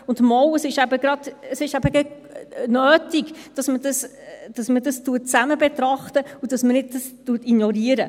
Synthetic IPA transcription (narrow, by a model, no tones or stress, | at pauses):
ʊndmɔwəsɪʃæbəɡɾɑd̥əsɪʃæbəɡɛ | nøːtiɡd̥ɑsmədɑs | d̥ɑsmədɑstuːət̚t͡sæməbɛtɾɑχtəud̥ɑsmənɪd̚dɑstuːətinjɔɾiːəɾə